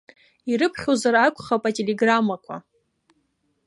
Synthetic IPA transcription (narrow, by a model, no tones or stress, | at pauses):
iɾɨpʰχʲozaɾakʷʰʼχapʼatʼeleɡramakʷʰa̰